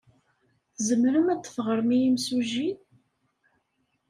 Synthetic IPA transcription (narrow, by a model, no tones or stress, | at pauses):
θzəmɾəmæt͡sːə̥fʁəɾˤmijimsuʒin